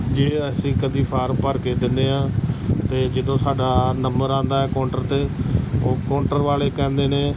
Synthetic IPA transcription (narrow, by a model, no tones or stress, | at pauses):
d͡ʒeːəsĩːkəd̪iːpʰaːɾmpəɾkeːd̪ɪnd̪eːɦãːt̪eːd͡ʒɪd̪õːsaːɖaːnəmbəɾãːnd̪aːɛːkɔːɳʈəɾt̪eːoːkɔːɳʈəɾʋaːleːkɛ̃ːnd̪eːneː